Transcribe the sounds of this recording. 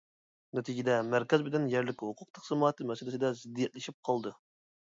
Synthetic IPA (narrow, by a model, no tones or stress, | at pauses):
net̪ʰid͡ʒid̪ɛmæɾkʲɛzbɪd̪ɪnjæɾlɪkʲhoqʰʊq̚t̪ʰə̥qsɨmɑːt̪ʰɨmɛsɪlɪsɪd̪ɛzɪd̪ːijɛt̪̚lɪʃip̚qʰɑlˠd̪ɨ